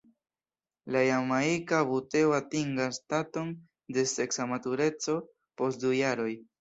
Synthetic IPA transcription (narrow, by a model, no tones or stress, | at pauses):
lajamaikaβute̞oatiŋɡastato̞n | de̞se̞ksamatuɾe̞t͡so̞ | po̞st̚dujaɾo̞j